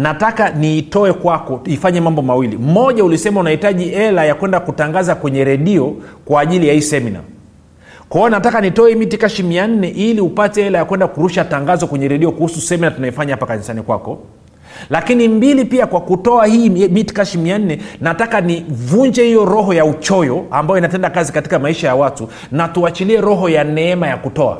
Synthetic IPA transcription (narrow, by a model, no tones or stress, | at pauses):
natakaniːtɔɛkwakɔifaɲɛmambɔmawilḭm̩ɔʄaulisɛmaunahitaʄiɛlajakwɛndakutaŋɡazakwɛɲɛɾɛɗiɔkwaːʄilijahisɛmina̰ | kwaɛɔnatakanitɔɛimitikaʃimian̩nɛʔiliupatɛɛlajakwɛndakuɾuʃataŋɡazɔkwɛɲɛɾɛɗiɔkuhususɛminatunajifaɲahapakanisanikwa̰kɔ | lakinimbilipiakwakutɔahiːmiti̥kaʃimian̩nɛnatakanivuɲd͡ʒɛhijɔɾɔɦɔjaut͡ʃɔjɔambajɔinatɛndakazikati̥kamaiʃajawatu | natuat͡ʃiliɛɾɔɦɔjanɛɛmajakutɔa̰